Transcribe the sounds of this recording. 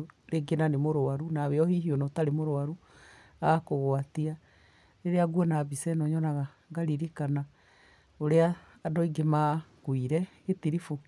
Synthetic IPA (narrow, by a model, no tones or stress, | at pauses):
ɾeɡenanemoɾoaɾunaβeɔhiɦiɔnɔtaɾemoɾoaɾu | aːkoɣwatia | neɾeaɡwɔnabisɛnɔɲɔnaɣa | ŋɡaɾiɾikana | oɾeaː | dɔiɡemakwiɾɛɣetiɾifo